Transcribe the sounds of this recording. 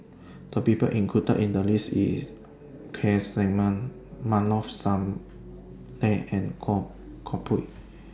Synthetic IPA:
d̥əpipə̰ʔĩŋkʰutə̰ʔĩndəlisḭs | kʰɛslɛ̃ŋmãn | mãnɔfsãm | lɛ̃ɛ̃nkʰɔ | kʰɔpʰu

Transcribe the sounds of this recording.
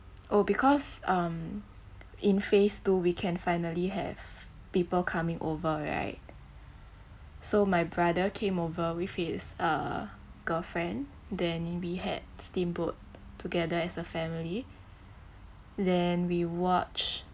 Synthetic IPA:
ʔobikʰɔsãm | ĩnfestuwikʰɛ̃nfaɪnəliɦɛ̰v̥ | pipəlkʰamɪ̃ŋʔovəɹa̰ɪt̚ | somaɪbɹadəkʰẽmovəwifhisə̰ | ɡ̥əlfɹɛ̃n | dɛ̃nwihɛ̰d̚stĩmbut̚tʰːuɡɛdəɛsəfɛmili | dɛ̃nwiwɔt͡ʃ

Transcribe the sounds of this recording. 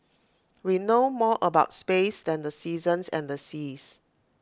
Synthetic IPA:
winomɔʔəbaʊtspesdɛ̃ndəsizə̃nsɛ̰̃ndəsis

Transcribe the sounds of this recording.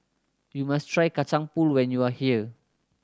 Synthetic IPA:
jumastʰɹajkat͡ʃãŋpulwɛ̃njuahiə

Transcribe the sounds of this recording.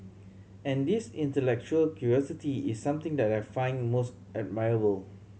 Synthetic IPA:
ɛ̃ndisĩntəlɛk̚t͡ʃuəlkʰjuɹiɔsitiisːãmt̪ɪ̃ŋdɛtajfãɪ̃nmos | əd̚maɪɹəbəl

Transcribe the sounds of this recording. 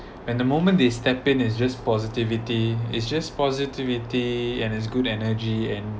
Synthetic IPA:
wɛ̃ndəmomə̃ndestɛpɪ̃nɪs̬d͡ʒaspɔzitivitiɪ̰tsd͡ʒaspɔzitivitiɛ̃nɪts̬ɡudɛnəd͡ʒiɛ̃n

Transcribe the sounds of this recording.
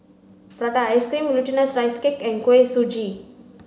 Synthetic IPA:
pəɾadaaskɾimlutinəsɾajskekɛnkwesud͡ʒi

